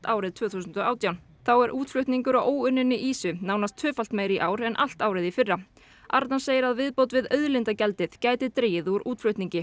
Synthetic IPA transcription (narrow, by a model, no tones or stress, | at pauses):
t̪aːwɾɪðt̪ʰv̥œːθuːsʏnt̪ɔaːwt̪jawn | θawɛɾʔuːt̪flʏɥht̪niŋkʏɾaʔoːwʏnːɪnːɪʔiːsʏnaːwnast̪ʰːʏːfal̥t̪meːjɾiʔaːwɾɛnʔa̰l̥t̪aːwɾɪðifɪrːa | a̰ɾt̪nanseːjɪɾaðvɪðpowt̪vɪðœɥðlɪnt̪acɛlt̪ɪðcaːjt̪ɪðt̪ɾeːjɪðuɾuːt̪flʏɥht̪niɲcɪ